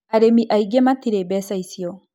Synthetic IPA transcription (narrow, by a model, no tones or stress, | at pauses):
aɾemiʔaiɡematiɾebɛːsaisiɔ